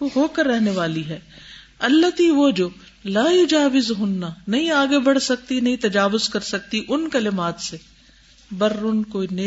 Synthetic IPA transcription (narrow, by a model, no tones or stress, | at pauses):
oɦoːkɐɾːɛɦneʋaːliɦɛː | ɐlːɐt̪iʋod͡ʒoː | laːjʊd͡ʒaːʋɪzɦʊnːanɐɦĩaːɡebɐɽ̤sɐk̚t̪inɐɦĩt̪ɐd͡ʒaːʋʊzkɐɾsɐk̚t̪iʔʊnkɐlɪmaːt̪se | bɐɾːʊnkoːineː